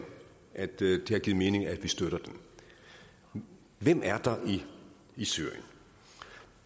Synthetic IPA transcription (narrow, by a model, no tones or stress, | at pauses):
ʔæd̥d̥ehɑ̈ɡ̥iːð̩ˠme̝ːne̝ŋæd̥ʋisd̥øɾ̥ɐd̥en | ʋem̰æɐd̥ɑ̈ʔiː | syɐ̰jən